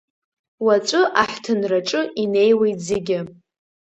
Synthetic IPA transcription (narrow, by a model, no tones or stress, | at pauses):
wat͡ʃʷʼɨʔaħtʰɨnraʈ͡ʂʼɨine̞jwe̞jtʰʼzeɡʲɪ